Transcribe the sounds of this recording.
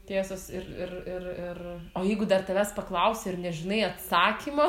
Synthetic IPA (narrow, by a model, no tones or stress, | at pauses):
t̪ʲeːsoːsɪɾɪɾɪrɪroːjɛɪɡʊd̪ɐrt̪ɐʋʲæspɐklˠɐʊsʲɛɪrnʲɛʒʲɪnɐɪɐt̪sɑːkʲiːmo